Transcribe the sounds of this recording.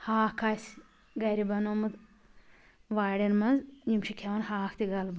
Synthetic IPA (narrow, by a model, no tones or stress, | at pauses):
haːkʰaːs | ɡɐɾibɐnomɨd̪ | ʋaːɽʲenmɐnzɲimt͡ʃʰikʲʰeʋɐnhaːkʰt̪iɡɐlb